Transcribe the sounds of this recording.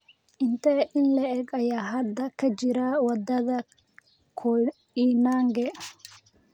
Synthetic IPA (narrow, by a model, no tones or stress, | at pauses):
ʔɪnt̪ɛʔɪnlɐɛːɡɐjaːɦɐd̪ːɐkʰɐd͡ʒɪɾaːwɐd̪ːɐðɐ | kʰɔ | inaːŋɡɛ